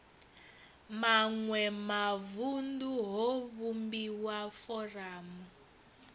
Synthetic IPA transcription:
maŋwɛmavunduɦɔβumbiwafɔraːmu

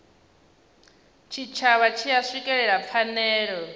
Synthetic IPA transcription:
t͡ʃʰit͡ʃʰaβat͡ʃʰijaʂikʼɛɺɛɺap̪fʰanɛːɺɔ

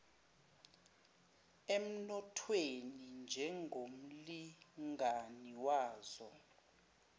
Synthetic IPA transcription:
em̩nɔtʰwenind͡ʒʱɛŋɡʱom̩liŋʱaniwaːzɔ

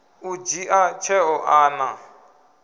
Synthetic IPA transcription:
ud͡ʒiʔat͡ʃʰɛɔʔaːna

